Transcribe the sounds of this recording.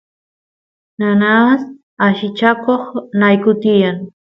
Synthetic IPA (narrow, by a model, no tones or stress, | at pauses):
nanas | aʃɪt͡ʃakoχnajkʊt̪ɪjaŋ